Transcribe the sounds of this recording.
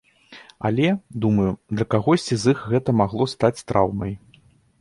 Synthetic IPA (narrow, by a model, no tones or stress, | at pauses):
ɐ̰lʲɛd̪umɐjud̪lʲɐkaɣɔsʲt͡sʲizɨxɣɛt̪ɐmaɣlˠɔst̪at͡sʲst̪ɾʔawnɐj